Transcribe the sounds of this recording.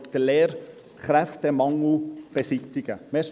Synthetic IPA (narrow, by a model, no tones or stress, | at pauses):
d̥əleːɾ | χɾæftɛmɑŋl̩b̥esɪt̪ɪɡ̥əmeːɾs